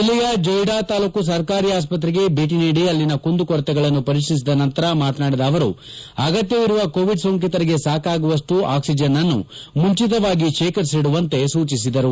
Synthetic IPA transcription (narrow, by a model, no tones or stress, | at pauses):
ilːijɐd͡ʒɔjɽaːt̪aːluːkus̬ɐɾkaːɾiːaːs̬pɐt̪ɾɛɡe̞bʱiːʈ̬iniːɽiɐlːinɐkund̪ukɔɾɐt̪ɛɡɐɭɐnːupɐɾikʂnis̬id̪ɐnɐnt̪ɐɾɐmaːt̪ɐnaːɽid̪ɐːʋɐɾu | ɐɡɐt̪jɐʋiɾuʋɐkoːʋiɖsoŋk̬it̪ɐɾiɡe̞saːkaːɡuʋɐʂʈuʔaːksid͡ʒɐnːɐnːṵmuɲt͡ʃit̪̬ɐʋaːɡiʃeːkɐɾsiɽuʋɐnt̪e̞suːt͡ʃisid̪ɐɾu